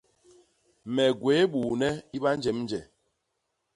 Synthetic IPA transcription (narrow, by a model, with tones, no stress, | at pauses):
mɛ˨ɡwe˨˦ɓuː˨nɛ˦i˦ɓa˦n˦d͡ʒɛ˨˦mn˦d͡ʒɛ˨